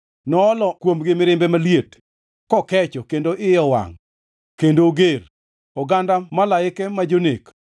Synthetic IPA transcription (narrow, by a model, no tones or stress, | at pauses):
nɔːlɔkwomɡɪmɪɾɪmbɛmaljet | kɔkɛt͡ʃɔkendoʔɪjɔwa̰ŋ | kendoɡer | ɔɡandamalaɪkɛmad͡ʒonek